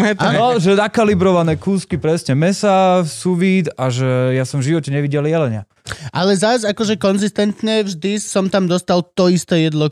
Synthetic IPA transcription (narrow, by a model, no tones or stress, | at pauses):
ɛtaːnɔʒɛnakalibɾɔʋanɛːkuːskipɾɛsɲɛmɛsasuʋiːd̪aʒɛjasɔmvʒiʋɔcɛɲɛʋiɟɛljɛlɛɲɪa | ʔalɛzazakɔʒɛkɔnzist̪ɛnt̪ɲɛvʒd̪isɔmt̪amd̪ɔst̪alt̪ɔist̪ɛːjɛd̪lɔ